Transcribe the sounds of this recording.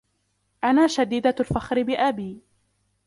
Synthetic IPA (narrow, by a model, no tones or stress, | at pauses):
ʔanaːʃad̪iːd̪alfaxɾɪbɪʔabiː